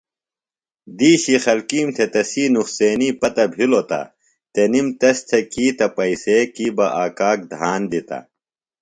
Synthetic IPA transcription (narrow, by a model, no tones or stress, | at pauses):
d̪iːɕixɐlkiːmt̪ʰet̪ɐsiːnuxseːniːpɐt̪ɐbʱilot̪ɐ̰ | t̪enimt̪ɐst̪ʰekiːt̪ɐpɐiseːkiːbɐʔaːkaːk̚d̪ʱaːnd̪it̪ɐ̰